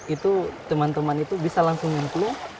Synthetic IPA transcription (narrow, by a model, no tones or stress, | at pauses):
it̪ut̪əmant̪əmanit̪ubisalaŋsuŋənt̪lu